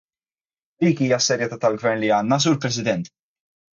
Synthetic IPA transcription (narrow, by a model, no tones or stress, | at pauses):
d̪̥iːkiːjɐsːɛɾjɛt̪aːt̪ɐlɡvɛɾnliɐːnːɐs̬uːɾpɾɛs̬ɪd̪ɛnt̪